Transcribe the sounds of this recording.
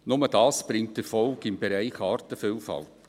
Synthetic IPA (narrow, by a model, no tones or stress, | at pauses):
nʊməd̥ɑːsb̥ɾɪŋt̚d̥əɾfɔlɡɪmbeɾæɪχɑːɾtəfiːlfɑ̰lˠt